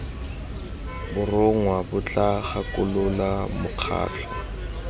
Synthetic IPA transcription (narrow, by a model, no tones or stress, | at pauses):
bʊrʊŋwabʊt͡ɬʼaχakʊlʊlamʊq͡χʰa̰ːt͡ɬʰɔ